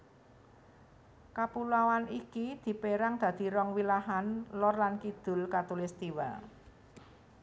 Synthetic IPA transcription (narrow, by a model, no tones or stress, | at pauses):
kapulawanikid̪̥i̤peɾaŋd̪̥ä̤d̪̥i̤ɾɔŋwilaɦanlɔrlankid̪̥ʊ̤lkat̪ulist̪iwa̰l